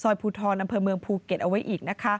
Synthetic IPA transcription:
sɔː˧˩jpʰuː˧t̪ʰɔː˧nʔa˧mpʰɤː˧mɯ˧əŋpʰuː˧ke˨˩t̪̚ʔa˧wa˦˥jʔiː˨˩k̚na˦˥kʰa˦˥

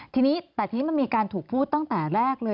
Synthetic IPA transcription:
t̪ʰiː˧niː˦˥t̪ɛː˨˩iː˧ni˦˥ma˧nmiː˧kaː˧nt̪ʰuː˨˩k̚pʰuː˥˩t̪ːa˥˩ŋt̪ɛː˨˩ɾɛː˥˩k̚lɤː˧

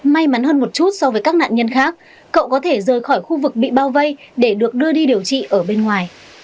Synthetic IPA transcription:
ma˧jma˨˦nhɦəː˧nmo˨˩t̚t͡ɕu˦˥t̚sɔ˧vəː˨˦jkaː˦˥k̚na̰ː˧˨nɲə˧nxaː˦˥k̚ː | ə̰˧˨wkɔ˨˦t̪ʰe˧˩zəː˨˩jxɔ˧˩jxu˧vɨ˨˩k̚ɓḭ˧˨ɓaː˧wvə˧jɗe˧˩ɗɨ˨˩ək̚ɗɨ˧əɗi˧ɗi˨˩əwt͡ɕḭ˧˨ʔəː˧˩ɓe˧nŋwaː˨˩j

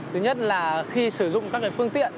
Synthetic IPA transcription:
t̪ʰɨ˨˦ɲə˦˥t̚laː˨˩xi˧sɨ˧˩zʊ̰˧˨ŋ͡mkaː˦˥k̚ːaː˨˦fɨ˧əŋt̪ḭ˧˨ən

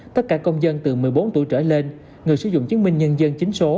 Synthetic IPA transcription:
t̪ə˦˥t̚kaː˧˩kə˧wŋ͡mzə˧nt̪ɨ˨˩mɨ˨˩əjɓo˨˦nt̪u˧˩jt͡ɕəː˧˩le˧n | ŋɨ˨˩jsɨ̰˧˩zʊ̰˧˨ŋ͡mt͡ɕi˨˦mï˧ŋ̟ɲə˧nzə˧nt͡ɕï˨˦ŋ̟so˨˦

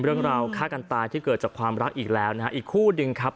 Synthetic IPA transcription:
ɾɯ˥˩əŋɾaː˧wkʰaː˥˩ka˧nt̪aː˧jt̪ʰiː˥˩kɤː˨˩t̪̚t͡ɕaː˨˩kʰwaː˧mɾa˦˥k̚ʔiː˨˩k̚lɛː˦˥wna˦˥a˦˥ʔiː˨˩kʰːuː˥˩nɯ˧ŋkʰa˦˥p̚

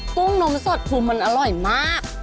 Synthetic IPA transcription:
ku˥˩ŋno˧˥mso˨˩t̪̚pʰuː˧˩mːa˧nʔa˧ɾɔ˨˩jmaː˥˩k̚

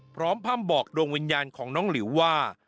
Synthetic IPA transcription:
pʰɾɔː˦˥mpʰaː˥˩mbɔː˨˩k̚doː˧ŋwi˧njaː˧nkʰɔː˩˦ŋnɔː˦˥ŋli˩˦wwaː˥˩

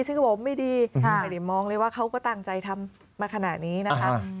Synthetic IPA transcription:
sɯ˥˩ŋ˥˩pʰo˩˦mːa˥˩jdiː˧˩˨diː˨˩mɔː˧ŋlɤː˧jwaː˥˩kʰa˦˥wkɔː˥˩t̪aː˧˩ŋt͡ɕa˧jt̪ʰa˧mː | aː˧kʰa˧naː˨˩t̪̚niː˦˥na˦˧˥ka˦˥

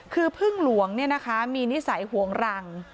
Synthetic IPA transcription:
kʰɯː˧pʰɯ˥˩ŋlu˨˩˦əŋni˥˩ɐna˦˥kʰa˦˥miː˧ni˦˥sa˩˦jhu˨˩˦əŋɾa˧ŋ

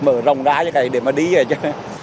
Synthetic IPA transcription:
məː˨˩˦zə˨˩wŋ͡mzaː˧˦t͡ɕəː˨˦ka˨˩jɗe˧˩maː˨˩ɗi˧ə˨˩t͡ɕəː˧˦

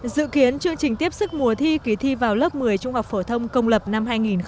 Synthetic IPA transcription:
zɨ̰˧˨ki˨˦ənt͡ɕɨ˧əŋt͡ɕï˨˩ŋ̟t̪i˦˥əp̚sɨ˦˥k̚mu˨˩ət̪ʰi˧ki˧˩t̪ʰi˧vaː˨˩wləː˦˥p̚mɨ˨˩əjt͡ɕʊ˧ŋ͡mha˨˩wk͡p̚fo˧˩t̪ʰə˧wŋ͡mkə˧wŋ͡mlə˨˩p̚na˧mhaː˧jŋi˨˩nx

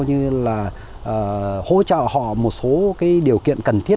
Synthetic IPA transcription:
wɲɨ˧laː˨˩ | ʔəː˨˩ho̰˧˥t͡ɕɔ̰ː˧˨hɔ̰˧˨mo˨˩t̚so˨˦kaː˨˦jɗi˨˩əwkḭ˧˨ənkə˨˩nt̪ʰi˦˥ə

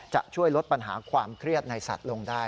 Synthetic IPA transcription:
t͡ɕa̰˨˩ʔ̚t͡ɕʰu˥˩əjlo˦˥t̪̚pa˧nɦa̰ː˩˦kʰwaː˧mkʰɾi˥˩ət̪̚na˧jsa̰˨˩t̪̚lo˧ŋdaː˥˩

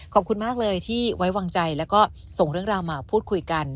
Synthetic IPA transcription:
kʰɔː˨˩p̚kʰu˧nmaː˥˩k̚lɤː˧jt̪ʰiː˥˩wa˦˥jwaː˧ŋt͡ɕa˧jlɛ˦˥wkɔː˥˩ | so˨˩ŋɾɯ˥˩əŋɾaː˧wmaː˧pʰuː˥˩t̪̚kʰu˧jka˧n

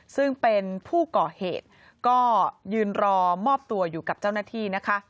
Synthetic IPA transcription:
sɯ˥˩ŋpe˧npʰuː˥˩kɔː˨˩heː˨˩t̪̚ | kɔː˥˩jɯː˧nɾɔː˧mɔː˥˩p̚t̪u˧ɐjuː˨˩ka˨˩p̚t͡ɕa˥˩wnaː˥˩t̪ʰiː˥˩na˦˥kʰa˦˥

